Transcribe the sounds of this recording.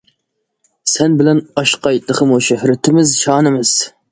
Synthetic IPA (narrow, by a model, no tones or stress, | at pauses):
sɛnbɪlɛnɑʃqɑjt̪lˠəχʰəmoʃɪhɾɪt̪ʰɪmɪzʃɑːnɨmɪz̥